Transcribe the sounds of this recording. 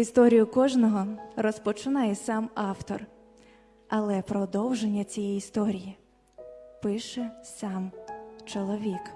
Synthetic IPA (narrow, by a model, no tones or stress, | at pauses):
ist̪ɔɾʲijʊkɔʒnɔɦɔrɔspɔt͡ʃɪnɑjɛsɑmɑwt̪ɔr | ɐlˠɛpɾɔd̪ɔwʒenʲːɐt͡sʲijɛjiːst̪ɔɾʲiji | pɪʃɛsɑmt͡ʃɔlˠɔʋʲik